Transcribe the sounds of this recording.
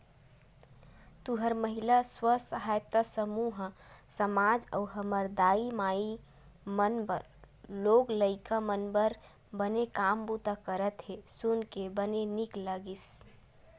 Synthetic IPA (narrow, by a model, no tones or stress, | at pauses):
t̪uɦəɾməɦilaswəsəɦajt̪əsəmuɦsəmad͡ʒə̰uɦəməɾd̪aimai | mənbəɾ | loɡləɪkamənbəɾ | bənekambut̪akəɾət̪ɦesunkebənenikləɡis